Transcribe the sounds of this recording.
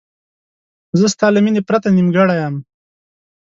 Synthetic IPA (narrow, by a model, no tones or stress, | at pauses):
zəst̪ɑlaminepɾat̪animɡaɽajam